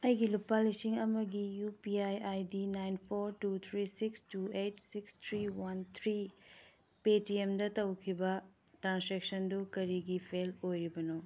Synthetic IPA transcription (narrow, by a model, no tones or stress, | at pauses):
ɐjɡilupalisiŋɐmɐɡijupiajajdinajnpʰoɾtut̪ʰɾisikstuejtsikst̪ʰɾiwɐnt̪ʰɾi | petiemdɐtɐwkʰibɐ | tɾansɾek̚sɐndukɐɾiɡipʰelojɾibɐno